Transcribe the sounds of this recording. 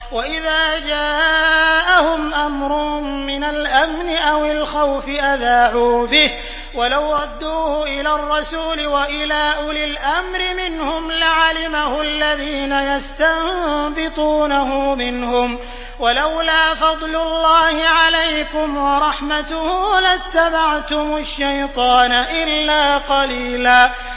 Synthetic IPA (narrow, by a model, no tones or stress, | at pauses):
waʔɪðaːd͡ʒaːʔahʊmʔamɾʊmɪnalʔamnɪʔawɪlxawfɪʔaðaːʕuːbɪh | walawɾˤɑd̪ːuːhʊʔɪlaːrˤːɑsuːlɪwaʔɪlaːʔʊlɪlʔamɾɪmɪnhʊmlaʕalɪmahʊalːaðiːnajast̪abɪt̪ˤuːnahʊmɪnhʊm | walawlaːfɑd̪ˤlʊlːɑːhɪʕalajkʊmwɑɾˤɑħmat̪ʊhlat̪ːabaʕt̪ʊmʊʃːajt̪ˤɑːnaʔɪlːaːqɑliːlaː